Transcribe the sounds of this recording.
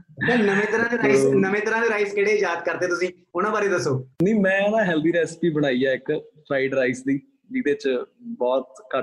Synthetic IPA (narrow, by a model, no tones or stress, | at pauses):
t̪ẽːnəmẽːt̪əɾãːd̪eːɾasnəmẽːt̪əɾãːd̪eːɾaːiskɪɽeːjaːd̪kəɾd̪eːt̪ʊsĩː | ʊnãːbaːɾed̪əsːoːniːmɛ̃ːnãːɦɛːld̪iːɾɛːspiːbəɽ̃aːijaːɪkpʰɾaːɪɖɾaːisd̪iː | d͡ʒiːd̪eːt͡ʃbɔːt̪kə